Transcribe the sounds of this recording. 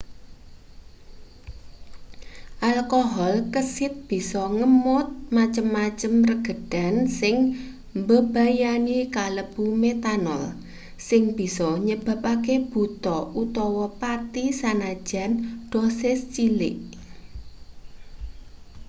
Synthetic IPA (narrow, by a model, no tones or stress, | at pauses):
ʔalkɔɦɔlkəsɪt̪̚b̥i̤sɔŋəmʊt̪̚mat͡ʃəmːat͡ʃəmrəɡ̥ə̤ɖ̥a̤nsɪŋ | mbəb̥a̤janikaləb̥umet̪anɔl | sɪŋb̥i̤sɔɲəb̥a̤pakeb̥ṳt̪ɔut̪ɔwɔpat̪isanḁʒ̥a̤nɖ̪̥osest͡ʃilɪ̰ʔ